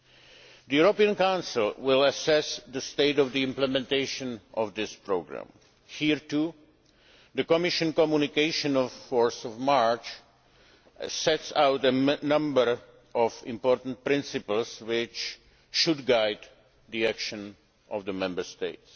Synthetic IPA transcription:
d̪əjuɹopiə̃nkãʊ̃nsɪlˠwɪlˠəsɛsd̪əsteɪtɔvd̪iɪ̃mplɛmɛ̃nt̪eɪʃə̃nʔɔvd̪ɪspɹoɡɹã̰m | hiɹtu | ðəkɔmɪʃə̃nkɔmjunɪkeɪʃə̃nɔvfɔɹsɔvmaɹt͡ʃ | sɛtsawtənʌ̃mbəɹ | ʔɔvɪ̰̃mpɔɹtn̩t̚pɾɪ̃nsɪpl̩ˠswɪt͡ʃ | ʃudɡajd̪ | diækʃə̃n | ʔɔvd̪əmɛ̃mbə˞st̪eɪts

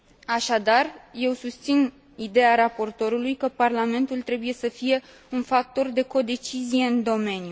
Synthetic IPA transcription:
aʃad̪arje̞wsust̪sin | id̪e̞jaɾapo̞rt̪o̞ɾulujkəparlame̞nt̪ult̪ɾe̞buje̞səfije̞ | unfak̚t̪o̞rd̪e̞ko̞d̪e̞t͡ʃizije̞ɨnd̪o̞me̞nju

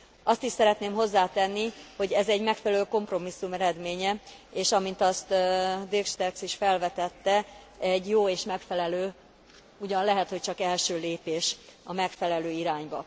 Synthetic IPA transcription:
ɒst̪iʃsɛɾɛt̪neːmɦo̞zːaːt̪ɛnːiho̞ɟɛzɛɟmɛkfɛlɛløːko̞mpro̞misːumɛɾɛd̪meːɲɛeːʃɒmint̪ɒst̪d̪ekʃt̪ɛksiʃfɛlvɛt̪ɛt̪ːɛ | ɛɟːjoːeːʃmɛkfɛlɛløː | uɟɒnlɛɦɛt̪ho̞c̚t͡ʃɒkɛlʃøːleːpeːʃɒmɛkfɛlɛløːiɾaːɲbɒ

